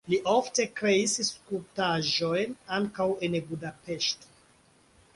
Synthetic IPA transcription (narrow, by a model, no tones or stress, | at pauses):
liʔo̞fte̞kɾe̞isiskutaʒo̞jnaŋkawe̞nbudape̞ʃto̥